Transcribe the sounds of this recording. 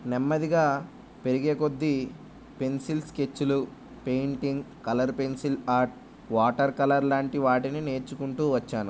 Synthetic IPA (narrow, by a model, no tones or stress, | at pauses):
nemːɐd̪iɡaː | pe̞ɾiɡeːko̞d̪ːi | pe̞nsilske̞t͡ʃːulu | pe̞jɳʈiŋɡkɐlɐɾpe̞nsilaːɾʈ̚ | ʋaːʈɐɾkɐlɐɾlaːɳʈiʋaːʈinine̞ːɾt͡ʃukuɳʈuːʋɐt͡ʃːaːnu